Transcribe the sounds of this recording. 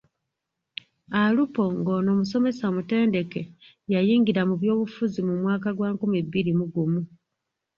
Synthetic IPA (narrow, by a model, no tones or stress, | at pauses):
alupo̞ŋɡo̞ːno̞ːmuso̞me̞saomute̞ːnde̞ke̞ | jajiːŋɡiɾamuβjo̞ːβufuzimumwaːkaɡwaːŋkumibiɾimuɡumu